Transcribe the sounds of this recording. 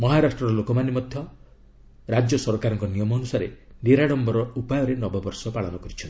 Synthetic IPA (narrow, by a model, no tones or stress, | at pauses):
mɔɦaɾasʈɾɔɾɔlokɔmanimɔd̪ʱjɔ | ɾad͡ʒjɔsɔɾkaɾɔŋkɔnijɔmɔnusaɾeneɾaɽɔmbɔɾɔupajɔɾenɔbɔbɔɾsɔpaɭɔnɔkɔɾit͡ʃʰɔnt̪i